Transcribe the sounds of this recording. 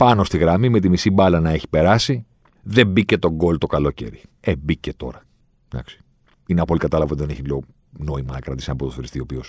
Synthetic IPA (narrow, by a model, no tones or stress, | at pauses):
pɐno̞st̪iɣɾɐmime̞t̪̬imisibɐlɐnɐe̞çi̥pe̞ɾɐsi | ðe̞bice̞t̪o̞ŋɡo̞lt̪o̞kɐlo̞ce̞̰ɾḭebice̞t̪o̞̰ɾɐ | d̪ɐ̰ksi̥ | ineɐpo̞likɐt̪ɐlɐvɐt̪iðeneçilio | no̞imɐnɐkɾɐt̪isɐnɐpot̪oθoɾist̪iopio̞s